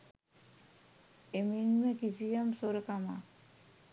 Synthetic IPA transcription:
eminmekisijamsoɾekama̰

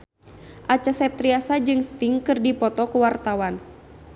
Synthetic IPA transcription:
ʔat͡ʃasɛp̚t̪ɾiasad͡ʒɨŋst̪iŋkɨrdipɔt̪ɔkuwart̪awan

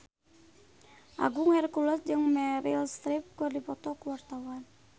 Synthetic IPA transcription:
ʔa̰ɡuŋhɛrkulɔt̪̚d͡ʒɨŋmɛɾilst̪ɾip̚kurdipɔt̪ɔkəwart̪awan

